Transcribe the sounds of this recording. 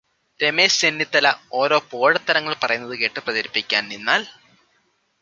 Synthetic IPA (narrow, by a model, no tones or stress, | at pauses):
ɾemeːsenːit̪ːɐlɐo̞ːɾo̞ːpoːɻɐt̪ːɐɾɐŋːɐɭpɐrɐjunːɐðɨkeːʈːɨprɐðɐɾipːikʲːaːnninːaːl